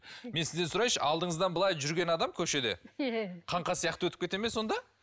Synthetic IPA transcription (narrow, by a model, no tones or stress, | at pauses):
me̞nsɪzd̪e̞nsʊɾɑjʃəʔɑlˠd̪əɴəzd̪ɑnbəlˠɑjʒʏɾɡʲe̞nɑd̪ɑmkʲʰɵʃe̞d̪e̞̰qʰɑɴqɑsijɑq̚t̪əwɵt̪ɪ̥pkʲet̪e̞meso̞nd̪ɑ